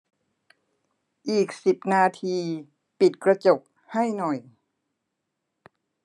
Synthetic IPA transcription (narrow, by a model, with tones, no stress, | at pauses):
ʔiː˨˩k̚si˨˩p̚naː˧t̪ʰiː˧ | pi˨˩t̪̚kɾa˧t͡ɕo˨˩k̚ | ha˥˩jnɔ˨˩j